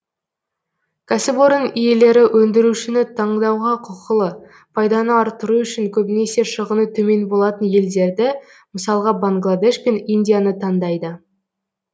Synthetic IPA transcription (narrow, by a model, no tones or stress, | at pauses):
kʲʰasɪboɾənije̞le̞ɾɪwʔɵnd̪ɪɾuʃɪnɪt̪ʰɑɴd̪ɑwʁɑqʰʊqəlˠə | pʰɑjd̪ɑnəɑɾt̪əɾuʏʃɪŋkʲʰɵbɪne̞se̞ʃəʁənət̪ʰɵme̞nbo̞lˠɑt̪ənje̞ld̪e̞ɾd̪ɪ | məsɑlˠəʁɑbaŋɡlˠad̪e̞ʃpe̞ninʲd̪ʲijanət̪ʰɑnd̪ɑjd̪ə